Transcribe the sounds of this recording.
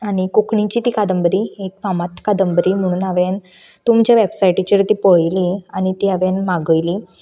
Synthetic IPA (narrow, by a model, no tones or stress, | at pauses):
aɽ̃ikukɳĩt͡ɕit̪iːkad̪əmbəɾiektamat̪kad̪əmbəɾim̤əɽ̃uːnaʋen | t̪umt͡ɕjaʋebsajʈit͡ɕiɾt̪ipəɭjliaɽ̃it̪iaʋenmaɡəjli